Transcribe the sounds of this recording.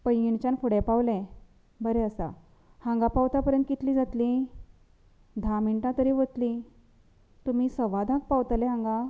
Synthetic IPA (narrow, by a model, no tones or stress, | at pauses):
pəjɡiɳt͡ɕanfʰuɽepawlẽ | bəɾɛəsa̰ | hãŋɡapawt̪apəɾjə̃nt̪kit̪lĩːd͡zat̪li | d̪ʱamiɳʈãt̪əɾiʋət̪li | t̪um̤isəʋad̪ʱãk̚pawt̪aleɦãŋɡa